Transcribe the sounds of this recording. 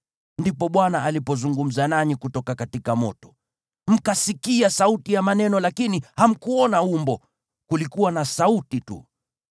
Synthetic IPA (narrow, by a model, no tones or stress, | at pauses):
ndipɔɓwanaalipɔzuŋɡum̩zanaɲikutɔkakatikamɔtɔ̥ | m̩kasikiasautijamanɛnɔlakiniham̩kuɔnaumbɔ | kulikuwanasautitṵ